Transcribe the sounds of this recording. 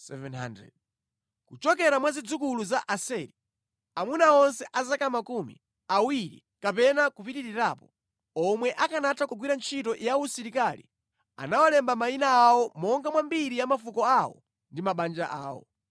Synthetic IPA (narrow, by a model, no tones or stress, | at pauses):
sɛ̰vɛnɦa̰ndɾɛ̰d | kut͡ʃɔkɛɾamwazid͡zukuluzaʔasɛɾi | amunaɔnsɛʔazakamakumḭ | awiɾḭ | kapɛnakup̬itiɾiɾaːpɔ | ɔmwɛʔakanatʰakuɡwiɾant͡ʃʰitɔjausiɾikalḭ | a̰nawalɛmbamainaaːwɔmɔŋɡamwambiɾijamafukɔawɔ̰ | ndimaɓand͡ʒaʔa̰ːwɔ̰